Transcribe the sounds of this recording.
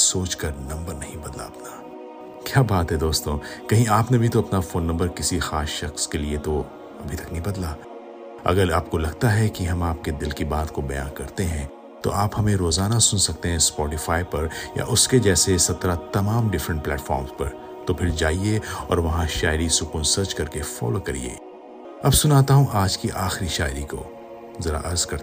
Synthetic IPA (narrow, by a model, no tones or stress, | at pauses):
soːt͡ʃkɐɾnɐ̃mbəɾnɐɦĩbɐd̪la̰ɐpna | kjaːbaːt̪ɦɛd̪oːst̪õkɐɦĩaːpnebʱit̪oɐpnafoːnːɐ̃mbəɾkɪsixaːsʃɐxskeliet̪o | ɐ̰bʱit̪ɐknɐɦĩbɐd̪la | ɐ̰ɡəɾaːp̚kolɐɡt̪aɦɛkiɦɐmaːp̚ked̪ɪlkibaːt̪kobɐja̰ːnkɐɾt̪eɦɛ̃ | t̪o̰ʔaːphɐmẽɾoːzaːnasʊnsɐk̚t̪eɦɛ̃spɔːʈɪfaːjpɐɾja̰ʔʊsked͡ʒɛːsesɐt̪ɾat̪ɐmaːmɖɪfɾə̃ɳʈ̚plɛ̰ːʈfɔːɾmspɐ̰ɾ | t̪opʰɪɾd͡ʒaːieɔ̰ːɾʋɐɦãʃaːɪɾisʊkuːnsɐɾt͡ʃkɐɾkefɔ̰ːlokɐɾḭḛː | ɐbsʊnaːt̪aɦũʔaːd͡ʒkiʔaːxɾiʃa̰ːɪɾiko̰ | zɐɾa̰ʔɐɾzkɐɾ